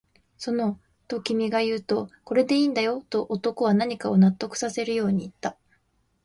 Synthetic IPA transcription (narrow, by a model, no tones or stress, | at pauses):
so̞no̞ | t̪o̞kʲimʲiɡajɯ̟ːt̪o̞ko̞ɾe̞d̪e̞iːnd̪ajo̞t̪o̞ʔːt̪o̞ko̞βanaɲ̟ikao̞nat̪ːo̞kɯ̟̥sase̞ɾɯ̟jo̞ːɲ̟iːt̪ːa